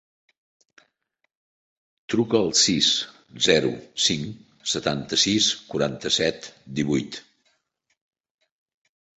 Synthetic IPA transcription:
t̪ɾukəːlˠsis | zɛɾṵsiŋ | sət̪ant̪əsiskuɾant̪əsɛt̪d̪iβujt̪

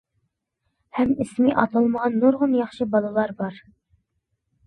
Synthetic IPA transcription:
hɛmismiʔɑt̪lˠɑlˠməʁɑnːoɾʁʊnjɑχʃɨbɑlˠɨlˠɑɾbɑɾ

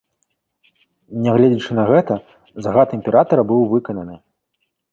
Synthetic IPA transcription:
nʲɛɣlʲɛd͡zʲit͡ʂɨnɐɣɛt̪ɐ | zaɣat̪imʲpʲɛɾat̪ɐɾɐbɨwvɨkɐnɐnɨ

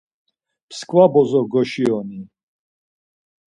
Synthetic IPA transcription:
pʰskʼvabɔzɔɡɔʃiɔni

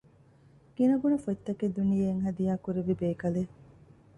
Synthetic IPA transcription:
kinɐɡunɐfot̪ːɐked̪unijeːŋɦɐd̪ijaːkuɾeʋibeːkɐle

